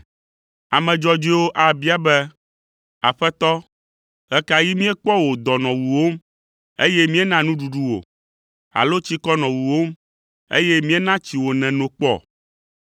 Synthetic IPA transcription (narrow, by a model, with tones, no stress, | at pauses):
a˨mɛ̃˨d͡ʒɔ˦d͡ʒi˦wo˦ʔa˨bi˦a˨bɛ˦ | a̰˨ɸɛ˦t̪ɔ˦ | ɣɛ˦ka˨ji˦mĩ˦e˦k͡pɔ˦wo˨d̪ɔ˨nɔ̃˨wu˨wo˦m˦ | ḛ˦je˦mĩ˦e˦nã˦nũ˦ɖu˨ɖu˦wo̰˨ | a̰˨lo˦t͡ɕi˦kɔ˦nɔ̃˨wu˨wo˦m | ḛ˦jɛ˦mĩ˦e˦nã˦t͡ɕi˨wo˨nɛ̃˨nõ˨k͡pɔ̰˦˨